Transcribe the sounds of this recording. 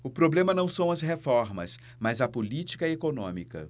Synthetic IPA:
ʊpɾoblẽmɐnɐ̃w̃sɐ̃w̃ɐzɦefɔɾmɐ̰s | mɐzɐpolit͡ʃi̥kɐekonõ̰mikɐ̰

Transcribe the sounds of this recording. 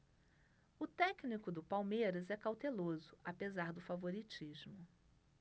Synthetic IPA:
ʊt̪ɛknikʊd̪ʊpawmejɾɐzɛkawt̪elozʊapezaɾd̪ʊfavoɾit͡ʃizmʊ

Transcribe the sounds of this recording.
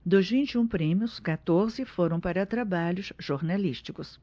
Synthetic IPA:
d̪ʊzvĩt͡ʃiũpɾẽmjʊskat̪oɾzɪfoɾɐ̃w̃paɾɐt̪ɾabaʎʊsʒ̥oɾnaliʃt͡ʃikʊs

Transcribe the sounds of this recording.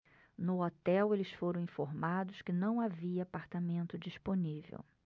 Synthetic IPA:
nʊɔt̪ɛwelɪsfoɾɐ̃w̃ĩfoɾmad̪ʊskɪnɐ̃w̃aviɐapaɾt̪amẽnt̪ʊd͡ʒisponivḛw

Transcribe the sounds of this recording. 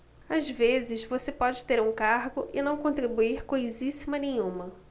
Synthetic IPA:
azvezɪzvosepɔd͡ʒɪt̪eɾũkaɾɡʊʔɪnɐ̃w̃kõt̪ɾibuiɾkojzisimɐnẽj̃ũmɐ

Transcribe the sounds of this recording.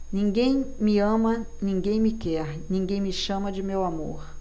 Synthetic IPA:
nĩɡẽj̃miɐ̃mɐ | nĩɡẽj̃mɪkɛɾnĩŋɡẽj̃mɪʃɐ̃mɐd͡ʒɪmewamo̰ɾ

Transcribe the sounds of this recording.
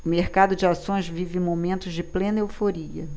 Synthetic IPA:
ʊmeɾkad̪ʊd͡ʒɪasõj̃zvivɪmomẽnt̪ʊzd͡ʒɪplenewfoɾiɐ̰

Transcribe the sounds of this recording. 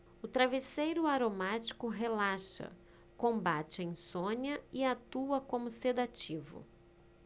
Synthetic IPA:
ʊt̪ɾavesejɾʊaɾomat͡ʃi̥kʊɦelaʃɐ̰ | kõmbat͡ʃɪẽj̃sõɲɐɪat̪uɐkõmʊsed̪at͡ʃivʊ̰

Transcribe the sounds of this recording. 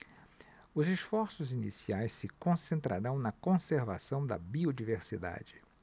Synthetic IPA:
ʊzesfɔɾsʊzinḭsiajssɪkõsẽnt̪ɾaɾɐ̃w̃nɐkõseɾva̰sɐ̃w̃d̪ɐ̰biod͡ʒiveɾsid̪a̰d͡ʒɪ

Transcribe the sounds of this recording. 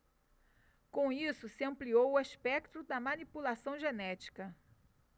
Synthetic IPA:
kõisʊsɪɐ̃mpliowʊaspɛkt̪ʊd̪ɐmɐnipulasɐ̃w̃ʒenɛt͡ʃi̥kɐ

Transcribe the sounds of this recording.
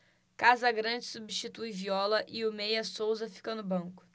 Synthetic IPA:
kazɐɡɾɐ̃d͡ʒɪsubiʃt͡ʃit̪ujviɔlɐʔɪʊmejɐsowzɐfi̥kɐnʊbɐ̃kʊ̥

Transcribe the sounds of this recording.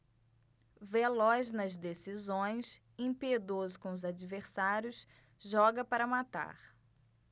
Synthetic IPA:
velɔznɐzd̪esizõj̃s | ẽpied̪ozʊkõʊzad͡ʒiveɾsaɾjʊs | ʒɔɡɐpaɾɐmat̪a̰ɾ

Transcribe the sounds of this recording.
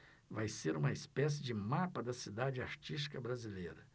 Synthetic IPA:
vajseɾũmɐispɛs̬ɪd͡ʒɪmapɐd̪ɐsid̪ad͡ʒɪaɾt͡ʃist͡ʃi̥kɐbɾazilejɾɐ

